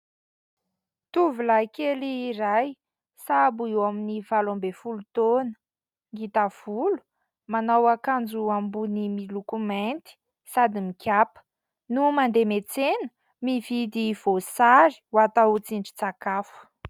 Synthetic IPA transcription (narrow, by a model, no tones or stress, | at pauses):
t̪uvilajkeliːɾaj | sabuiwaminivalambefulut̪onə̥ | ŋɡit̪av̥ulu̥ | manawakand͡zuambunimilukument̪i̥ | sad̪imikʰʲjapə̥ | numand̪emet͡senə̥ | mivid̪iv̥osaɾi̥wat̪aut͡siɳɖ͡ʐi̥t͡sakafə̥